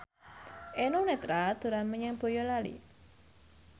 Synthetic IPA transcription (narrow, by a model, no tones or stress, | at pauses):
ʔenunet̪ɾad̪̥ṳɾanməɲɛŋb̥o̤jɔlalḭ